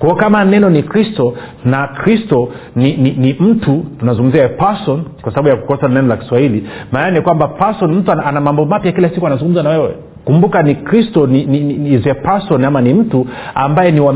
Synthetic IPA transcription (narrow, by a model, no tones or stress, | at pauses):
kwaɔkamanɛnɔnikɾistɔ | nakɾistɔ | nininim̩tʰutunazũŋɡum̩ziapasɔnkwasaɓaɓujaku̥kɔsanɛnɔlaki̥swahilimaːnanikwambapasɔnm̩tuananamambɔmapjaakilasikuanazuŋɡum̩zanawɛwɛ̰ | kumbukanikɾistɔnininiizɛpasɔnamanim̩tuambajɛniwa